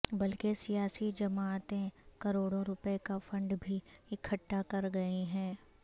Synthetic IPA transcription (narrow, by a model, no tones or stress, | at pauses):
bɐlkesijaːsid͡ʒɐmaːt̪ẽkɐɾoːɽõɾʊpekafɐ̃ɳɖbʱiɪkʰəʈːakɐɾɡɐiɦɛ̃ː